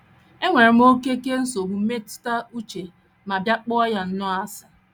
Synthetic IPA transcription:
e˦ŋʷe˨ɾe˨m̩˦o˦ke˦ke˦n̩˦so˨bu˨m̩˦me˦tʊ̥˦ta˦u˦t͡ʃe˨ | ma˨bja˦k͡pʊ˦ɔ˦ja˨n̩˦nʊ˦a˦sa˨

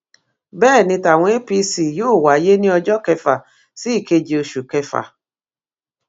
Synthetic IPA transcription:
bɛː˦˨nĩ˧ta˨w̃ʷe˦pi˧˦si˨joː˦˨wa˨je˦nĩ˦ɔ˧d͡ʒɔ˦kɛ˧fa˨ | si˦i˨ke˧d͡ʒi˨o˧ʃu˨kɛ˧fa̰˨

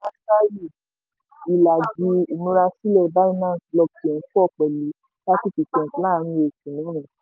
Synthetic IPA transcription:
a˦sa˦ɾi˦˨ | i˨la˨d͡ʒi˨˦u˨nũ˨˦ɾa˧si˦lɛ˦˨ba˦nĩ˦nãː˦˨˦tlɔ˧ti˨ɛ̃˨˦fɔ˦˨k͡pɛ˨li˨˦ | la˦ti˦fi˨˧˨tɛ̃˨tla˦˨˧ɾ̃ĩ˧e˨kũ˨nã˨˦ɾ̃ũ˨

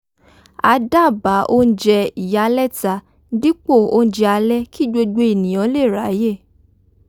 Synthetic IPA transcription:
a˧da˦˨ba˨˦ʔo˦n̩˦d͡ʒɛ˧i˨ja˨˦lɛ˦˨ta˧˦ | di˦k͡po˦˨o˧˦n̩˦d͡ʒɛ˧a˧lɛ˦ki˦˨d͡ʒo˧ɡ͡be˧˦e˦˨nĩ˨j̃ɔ̃˨˦le˦˨ɾa˨˦je˦˨

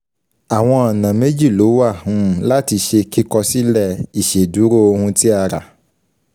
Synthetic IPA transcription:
a˨w̃ɔ̃˧ɔ˨nã˨me˦d͡ʒi˦˨lo˨˦wa˦˨hũ˦˨la˦ti˧ʃe˧ki˦kɔ˧si˦lɛ˦˨i˨ʃe˨du˨˦ɾo˦o˧hũ˧ti˦a˧ɾa̰˨

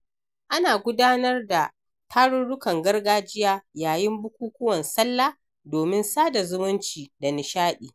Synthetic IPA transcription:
ʔa˦naː˨ɡʷʊ˦daː˦nɐ˦rda˨ | tʰaː˦ɽʊ˦nɽʊ˦kɐ˨ŋɡɐ˦rɡaː˦d͡ʒɪ˦jaː˦jaː˨jɪ˦mbʊ˦kʷuː˦kʷʊ˦wɐ˨nsɐ˦lːaː˦ | doː˨mɪ˦nsaː˦da˨zʊ˦mʊ˦nt͡ʃiː˨da˨nɪ˨ʃaː˦ɗiː˨

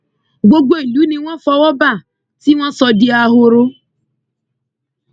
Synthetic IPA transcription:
ɡ͡bo˧ɡ͡bo˦e˨lu˨˦nĩ˧w̃ɔ̃˦fɔ˧wɔ˦ba˦˨ | si˦w̃ɔ̃˦sɔ˧di˧a˧ɦo˧ɾo˦

